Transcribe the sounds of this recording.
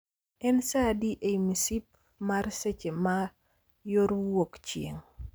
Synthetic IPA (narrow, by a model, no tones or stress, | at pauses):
ɛnsadiʔɛmisip̚ | maɾsɛt͡ʃema | joɾwokt͡ʃieŋ